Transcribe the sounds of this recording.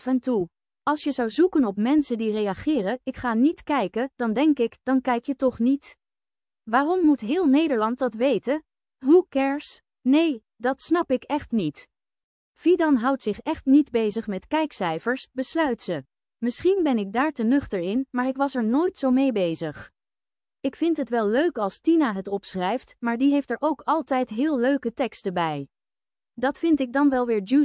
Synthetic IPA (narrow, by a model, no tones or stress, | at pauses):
fɛntu | ɑlˠsjəzɑwzukənɔpmɛnsəndirejɑχɪːrəɪkχaːnitkɛjkəd̥ɑndɛŋkɪkd̥ɑnkɛjkjətɔχnit | ʋaːrɔmːutɦɪːlˠnejdəɹlɑnt̚dɑtʋejtə | ɦukɛɹs | nej | dɑtsnɑpɪkɛχtnit | fidɑnɦʌwtsɪχɛχtnidbejzəχmɛtkɛjksɛjfəɹsbəslœɥtsə | mɪsχinbɛnɪɡ̚daːɹtənɵχtəɹɪnmaːɹɪkʋɑsɛɹnoːjtsowmejbejzəχ | ɪkfɪntɦətʋɛlˠːøɥkɑlˠstinaɦətɔpsrɛjftmaːɹdiɦejftɛɹʔowkɑlˠtɛjtɦɪːlˠløɥkətɛkstəbɛj | dɑtfɪntɪɡ̚dɑnʋɛlˠʋɪːɹdu